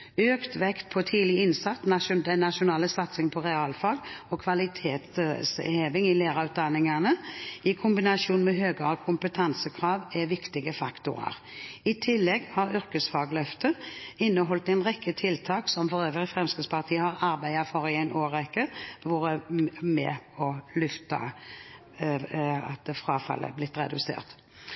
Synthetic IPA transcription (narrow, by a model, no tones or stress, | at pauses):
øːkt̪ʋɛkt̪̚pʰɔt̪ʰiːlɪɪnsɑt̪ːnɑd̪ɛnːɑʃʊnɑːləsɑt̪sɪŋpʰɔʁɛɑːlfɑːɡɔkʰʋɑlɪt̪ʰeːt̪sheːʋɪŋɪleːʁɑʉːt̪̚d̪ɑnɪŋɑnəɪkʰʊmbɪnɑsuːnmɛɦøːɡəɑkʰʊmpət̪ʰɑnsəkʰʁɑːʋɛʋɪkt̪ɪɡəfɑkt̪ʊ̰ʁɑ̰ʁ | ɪt̪ʰɪlːɛɡhɑɾʏɾkəsfɑːɡlœft̪əɪnːəɦɔlt̪æɪnʁɛkʰːət̪ʰɪlt̪ʰɑːksɔmfɔɾøːʋəʁɪfʁɛmskəspʰɑʁt̪ʰiːəhɑʁɑɾbæɪɑfɔɾɪæɪnoːɾɛkːəʋuːɾəmɛ̰ɔlʏft̪ɑ̰ | ɑ̰t̪fʁɑːfɑ̰lːʔə̰blɪt̪ːɾɛ̰d̪ʉsḛːʁt̪